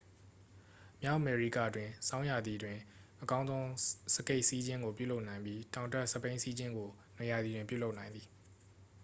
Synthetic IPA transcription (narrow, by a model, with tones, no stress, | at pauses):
mja˦ʊʔme˨ɹi˦˨ka̰˦˨ədwɪ̃˨sã˦ʊ̃ja˨d̪ði˨dwɪ̃˨ʔəkã˦ʊ̃nzõ˦ʊ̃sə˦ke˦ɪʔsi˦d͡ʑɪ̃˦ŋɡo˨pjṵ˦˨lo˦ʊʔnã˨ɪ̃mbji˦tã˨ʊ̃ntɛ˦˨ʔsə˦pẽ˦ɪ̃si˦d͡ʑɪ̃˦ŋɡo˨ | ne˨ja˨d̪ði˨dwɪ̃˨pjṵ˦˨lo˦ʊʔnã˨ɪ̃nd̪ði˨